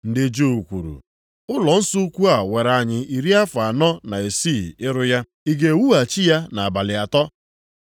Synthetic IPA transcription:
n̩˨dɪ˨d͡ʒo˦˨u˨kʷṵ˨ɾṵ˨ | ʊ˦lɔ˨n̩˦sʊ˦u˦kʷu˦a˨we˨ɾa˨ɲɪ˨i˨ɾi˦a˦fa˨nɔ˦na˨e˨si˦˨ɪ˦ɾʊ˦ja˦ | i˨ɡe˨wu˦a˨t͡ʃi˦ja˦na˨a˨ba˨lɪ˨a˨tɔ˦

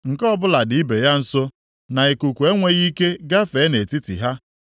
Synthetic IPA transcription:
ŋ̩˨kɔ˦bʊ˦la˨dɪ˨˦i˦be˨ja˦n̩˦so˦ | na˨i˨ku˨kʷu˨e˦ŋʷe˦ɣi˦ke˦ɡa˦fe˨˦ne˨ti˦tḭ˨ɦa˦

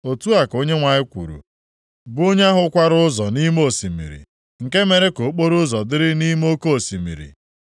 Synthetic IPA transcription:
o˨tu˦a˨ko˦ɲe˦ŋʷa˨ɲɪ˦kʷṵ˨ɾṵ˨ | bʊ˦o˦ɲ˦a˦ɦʊ˦kʷa˦ɾʊ˦ʊ˦zɔ˨ni˦mo˦˨si˨mḭ˨ɾḭ˨ | ŋ̩˨ke˦me˨ɾe˦ko˨˦k͡po˦ɾʊ˦zɔ˨dɪ˦ɾɪ˦ni˦m˦o˦ko˦o˨si˨mḭ˨ɾḭ˨

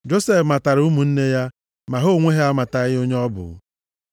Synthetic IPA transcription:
d͡ʒo˦se˦˨fma˨ta˨ɾu˦mu˨n̩˦ne˦ja˦ | ma˨ɦo˦˨ŋʷe˦ɦe˦a˦ma˨ta˨ɣɪ˦o˦ɲe˦ɔ˦bʊ̰˨ɣ

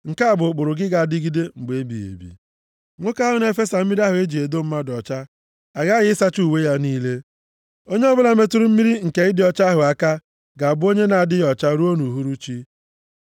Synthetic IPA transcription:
ŋ̩˨ka˦a˦˨bʊ˨k͡pʊ˨ɾʊ˨ɡɪ˦ɡa˨a˨dɪ˦ɡi˦de˦ŋ͡m̩˨ɡ͡be˦bḭ˨ḛ˨bḭ˨ | ŋʷo˦ka˦ɦʊ˨n˦e˨fe˦sa˨m̩˦mi˦ɾi˦a˦ɦʊ˨e˦d͡ʒi˨e˨do˦m̩˦ma˦dɔ˨t͡ʃa˦ | a˨ɡa˦ɣɪ˦ɪ˦sa˦t͡ʃu˦˨we˦ja˦niː˦le˦ | o˦ɲe˦ɔ˦bʊ˦la˨me˦tʊ˦ɾʊ˦m̩˦mi˦ɾi˦ŋ̩˨ke˨ɪ˦dɪ˦ɔ˦˨t͡ʃa˦ɦʊ˨a˨ka˦ | ɡa˨a˨bʊ˦o˦ɲe˦na˨a˨dɪ˦jɔ˨t͡ʃa˦ɾu˦o˦nu˨ɦu˦ɾu˦t͡ʃi˦

